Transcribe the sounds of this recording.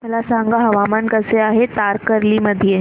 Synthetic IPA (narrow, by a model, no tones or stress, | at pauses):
məlasãŋɡaɦəʋamankəseaɦet̪aɾkəɾliməd̪ʱije